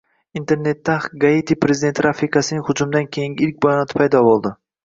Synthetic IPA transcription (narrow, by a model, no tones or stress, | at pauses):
int̪ʰe̞ɾne̞t̪ːaɡaet̪ʰipɾe̞zɪd̪e̞nt̪ʰɪɾafikasɪnɪŋhʊd͡ʒʊmd̪ankʲʰejiŋʲɪɪlk̚ʲbajɒnɒt̪ɪ̥pʰajd̪ɒbolˠd̪ɪ